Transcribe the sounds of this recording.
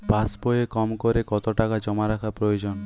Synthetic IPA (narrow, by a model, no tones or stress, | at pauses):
basbɔjekɔmkɔɾekɔt̪ɔʈakad͡ʒɔmaɾakʰapɾɔjod͡ʒɔnɔ